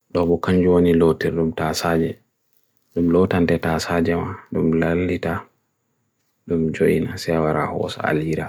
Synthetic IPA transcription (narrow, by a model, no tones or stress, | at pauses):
ɗɔbɔkaɲd͡ʒuwonilotɛɾɗumtasad͡ʒɛ | ɗumlɔtantɛtasad͡ʒɛmaɗumlalːita | ɗumd͡ʒoʔinasɛwaɾa̰hɔ̰sɔ̰a̰liɾa